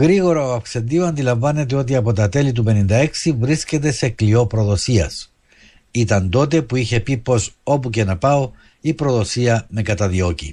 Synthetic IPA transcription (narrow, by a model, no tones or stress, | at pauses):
ɣɾiɣo̞ɾɐoɐfkse̞nd̪ioɐnd̪ilɐɱvɐne̞t̪̬eo̞t̪̬iɐpo̞t̪ɐt̪e̞lit̪̬upe̞nind̪ɐe̞ksivɾisce̞t̪̬e̞se̞klio̞pɾo̞ðo̞siɐ̰s | it̪ɐnd̪o̞t̪e̞puiçe̞pipo̞so̞puce̞nɐpɐo̞ | ipɾo̞ðo̞siɐme̞kɐt̪ɐðio̞cḭ